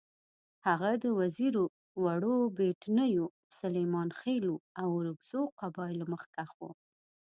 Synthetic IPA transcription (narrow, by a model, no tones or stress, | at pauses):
haɣad̪əwaziɾo | waɽobeʈnəjo | salejmɑnxeluawɾəɡz̥oqabɑjlməxkaxo̰